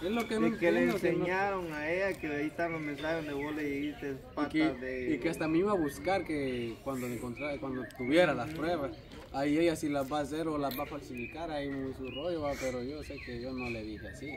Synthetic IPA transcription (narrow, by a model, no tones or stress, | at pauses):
eslokemekeleenseɲaɾoŋaejakeaist̪alomens̬axeond̪eβoleeist̪espaeeikeast̪amiβaβuskaɾkekwand̪oleŋkont̪ɾakwand̪ot̪uβjeɾalaspɾweβas | ajeʝasilazβas̬eɾolazβafalsifikaɾajmujsuroʝoapeɾoʝose̞keʝonoleðixeasi